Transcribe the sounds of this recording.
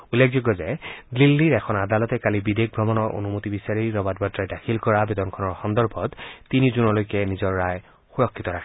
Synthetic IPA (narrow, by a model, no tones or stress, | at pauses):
ulːekʰzuɡɔzɛdlilːiɹɛxʰɔnad̪alɔtɛkalibidek̚ʰbʱɹɔmɔnɔɹo̰numutibisaɹiɹɔbatbatɹajdakʰilkɔɹabedɔnkʰɔnɔɹxɔndɔɹbʱɔtːinizunɔlojkɛnizɔɹːaj | xuɹɔkʰːit̪ɔɹakʰɛ